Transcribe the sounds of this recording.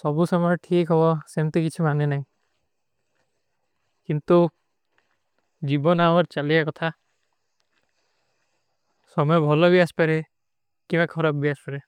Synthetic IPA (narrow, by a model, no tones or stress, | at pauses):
sɔbusɔmɔʈʰikɦɔβɔsemt̪ikit͡ʃʰimanenaɦĩ | kint̪u | d͡ʒibɔnawɔɾt͡ʃaliakɔt̪ʰa | sɔmɔjɔbʱɔlɔbiaspaɾe | kibakʰɔɾabbiaspaɾe